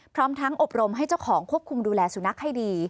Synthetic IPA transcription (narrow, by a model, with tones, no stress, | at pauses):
pʰɾɔː˦˥mt̪ʰa˦˥ŋʔo˨˩p̚ɾo˧mɦa˥˩jt͡ɕa˥˩wkʰɔː˩˦ŋkʰu˥˩əp̚kʰu˧mduː˧lɛː˧suː˨˩˦na˦˥k̚ha˥˩jdiː˧